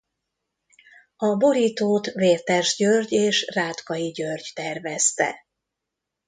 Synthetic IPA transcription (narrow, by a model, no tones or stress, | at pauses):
ɒbo̞ɾiːt̪oːt̪veːrt̪ɛrʒɟørɟeːʃraːt̪kɒjiɟørɟt̪ɛrvɛst̪ɛ̰